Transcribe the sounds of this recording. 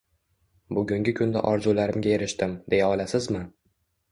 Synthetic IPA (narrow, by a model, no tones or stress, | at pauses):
bʊɡʲʊŋɡʲɪkʲʰʊnd̪a̰ʔɒɾzulaɾɪmɡʲae̞ɾɪʃt̪ɪmd̪e̞jaɒlasɪzmɪ